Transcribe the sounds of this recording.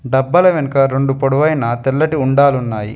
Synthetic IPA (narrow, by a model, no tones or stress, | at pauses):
ɖɐbːɐlɐʋenɐkɐɾeɳɖupoɽuʋɐjnɐt̪ɛlːɐʈiuɳɖaːlunːaːjḭ